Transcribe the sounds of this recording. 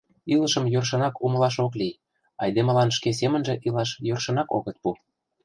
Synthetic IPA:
iləʃə̆mjørʃ̬ɤ̆nɑkumə̆lɑʃoklij | ɑjd̪emə̆lɑnʃkes̬emə̆nʒĕʔilɑʃjørʃɤ̆nɑko̰ɣət̪̚pu

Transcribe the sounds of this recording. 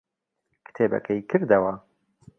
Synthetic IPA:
kʰɨ̥t̪ʰeːbɐ̰kʰɐjkʰɨɾd̪ɐwɐ

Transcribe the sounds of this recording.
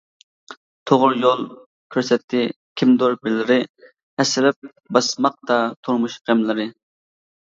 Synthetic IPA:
t̪ʰoʁʊɾjolˠ | kʲʰøɾsɛt̪ʰːɪ | kʲʰimd̪oɾbɪlːɪɾɪ | hɛsɪlɪp̚ | bɑsmɑq̚t̪ɑt̪ʰuɾmuʃqemlˠɪɾɪ

